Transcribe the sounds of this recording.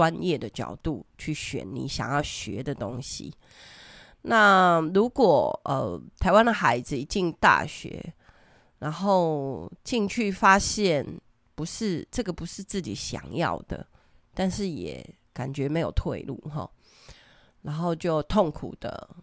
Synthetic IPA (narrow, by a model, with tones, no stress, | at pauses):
wa˦njɛ˥˩d̪ə˨t͡ɕjɑ̰˨˩ʊt̪u˥˧t͡ɕʰy˥˩ɕɥɛ̰˨˩nːḭ˨˦ɕjɑ̰˨˩ŋjɑ˥˩ʊɕɥɛ̰˧˦d̪ə˨t̪o˦ŋɕḭ˨ | na˥˩ɻu˧˥kwɔ˨˩ə̰˨t̪ʰa˧˥ɪwa˦nd̪ə˨xa˧˥ɪd͡zɹ̩˧i˨˩t͡ɕi˥˧ŋt̪a̰˥˩ɕɥɛ̰˧˥˦ | na˧˦˥nxo˥˩ʊt͡ɕi˥˧ŋt͡ɕʰy˥˩fa˥ɕjɛ˥˨n | pu˧˥ʂɻ̩˥˧ʈ͡ʂɤ˥˩ɡə˨˩pu˨˦ʂɻ̩˥˧t͡sɹ̩˥˩t͡ɕḭ˨˩ɕjɑ̰˨˩ŋjɑ̰˥˩ʊd̪̥ə̰˩ | t̪a˥˧nʂɻ̩˥˩jɛ̰˨˩ | ka̰˨˩nt͡ɕɥɛ˧˥me˧˥ɪjo˨˩ʊt̪ʰwḛ˥˧ɪlṵ˥˩ɦɔ̰˨˩ | na˧˥nxo˥˧ʊt͡ɕjo˥˧ʊt̪ʰo˥˩ŋkʰṵ˨˩d̪̥ə̰˦